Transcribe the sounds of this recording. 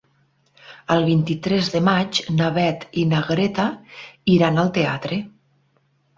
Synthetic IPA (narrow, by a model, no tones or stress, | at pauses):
əlˠβint̪it̪ɾɛzðəmat͡ʃnaβɛt̪inaɣɾet̪aiɾanəlˠt̪ea̰t̪ɾe